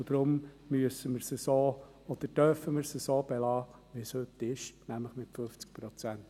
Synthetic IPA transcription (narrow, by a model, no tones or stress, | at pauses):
d̥̪ɾʊmmyəsəməɾsəsoː | ɔd̥̪əɾd̥œɾfəmɪɾsəsoːb̥ɛlɑːʋishʏt̪ːɪʃnæmləχmɪtføft͡sk̚pɾɔt͡sænt